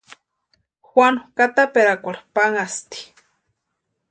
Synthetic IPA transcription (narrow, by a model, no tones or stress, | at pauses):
xwano̥kat̪apeɾakʷaɾpaŋast̪i̥